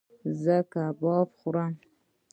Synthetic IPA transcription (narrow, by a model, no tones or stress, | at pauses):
zəkabɑpχuɾam